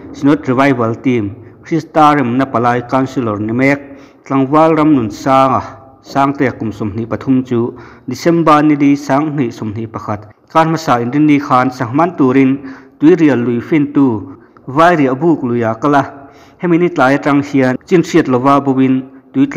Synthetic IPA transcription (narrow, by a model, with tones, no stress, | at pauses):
si˨nɔ˦t̪̚ri˨va˧˨jvɐ˨˦lt̪i˧mkʰɾi˦st̪aː˧rɛ˨mnɐ˧˨pa˨laː˧jka˧nsi˧lɔ˨rnɛ˨mɛ˦k̚ | t͡ɬɐ˧˨ŋva˦lrɐ˧mnu˨nsaː˧ŋa˨ | saː˧˦ŋt̪ɛ˧˩a˨ku˨msɔ˨mn̥i˨ʔpɐ˨t̪ʰu˧˦mt͡suː˦ | di˨sɛ˦mba˧ni˧˨di˧˦saː˧˦ŋn̥i˧˨ʔsu˨mn̥i˨pɐ˧kʰa˧˩t̪̚kaː˧˥nma˧saː˧˨ʔi˨ndi˦nːi˧kʰaː˧nsa˨ŋma˦˨nt̪uː˨ɾi˧nt̪u˨˦jɾi˨ə˨lːu˨jfi˦˥˨nt̪uː˧ | vaː˧˦jɾi˨˩ʔbuː˧˨k̚lu˨ja˨ka˧la˧ | hɛ˦mi˧˨ni˦t͡ɬaː˨ja˧ʈ͡ʂɐ˧ŋhi˧ə˧t͡si˥nʂi˧ə˨t̪̚lɔ˨vaː˧˦bɔ˧wi˧nt̪u˨˦jt͡ɬ